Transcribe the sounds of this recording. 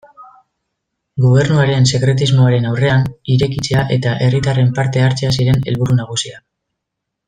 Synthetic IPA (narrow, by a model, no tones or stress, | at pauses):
ɡo̞β̞e̞rnuaɾe̞nse̞kɾe̞t̪̬izmo̞aɾe̞nawre̞aniɾe̞kit͡se̞aʔe̞t̪aʔe̞rit̪are̞mpaɾt̪e̞aɾt͡seasiɾe̞ne̞̰lβuɾunaɣ̞usia